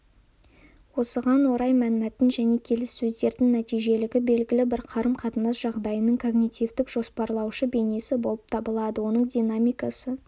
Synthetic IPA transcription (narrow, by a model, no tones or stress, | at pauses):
wo̞səʁɑnwo̞ɾɑjmælɪmæt̪ɪnʒæne̞kʲʰe̞lɪsːɵzd̪e̞ɾd̪ɪŋnæt̪ijʒe̞lɪɡʲɪbe̞lɡʲɪlɪbɪɾqʰɑɾəmqʰɑt̪ənɑsʒɑʁd̪ɑjənəɴkʰo̞ɡnit̪ʲivd̪ɪkʒ̥o̞spɑɾlˠɑwʃəbe̞ne̞sɪbo̞lˠəp̚t̪ʰɑbəlˠɑd̪əwo̞nəɴd̪ʲinamijkɑsə